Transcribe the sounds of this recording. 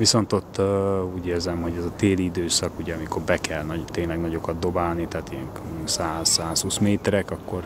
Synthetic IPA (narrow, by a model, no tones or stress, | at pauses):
viso̞nt̪o̞t̪ːuːɟeːrzɛmho̞ɟɛzɒt̪eːliid̪øːsɒkuɟɛɒmikorbɛkʰɛlnɒt̪eːnlɛɡnɒɟo̞kɒd̪̚d̪o̞baːlnit̪aːt̪ijɛŋ | saːzːaːshuːsmeːt̪ɛɾɛkɒkːo̞r